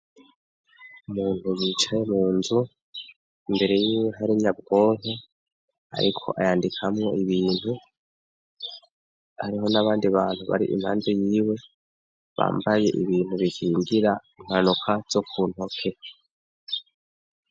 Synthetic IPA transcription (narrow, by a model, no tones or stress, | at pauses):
umuːn̥hujiːt͡ʃaje̞muːnzu | imbe̞ɾe̞jiːweɦaɾiɲab̚ɡo̞ːn̥e | a̰ɾikʰo̞̰ʔajaːndikʰamŋo̞iβiːn̥hu | haɾiɦo̞naβaːndiβaːn̥huβa̰ɾiʔḭmhaːnzejiːwe̞ | βa̰ːmbaje̞̰ʔḭβiːn̥huβikʰiːŋɡiɾaim̥hanukʰaz̥o̞kʰuːn̥ho̞kʰe̞